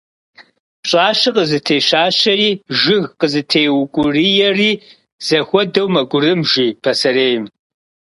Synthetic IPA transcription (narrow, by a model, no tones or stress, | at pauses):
ɕʼaːʃɨqəzɨtʰeːʃaːɕɐriːʒɪɣqəzɨtʰeːjwkʷʼʊrijɛriː | z̥ɐxʷɔdɐwmɐɡʷʊrɨmʒiːpʰɐsɐreːjm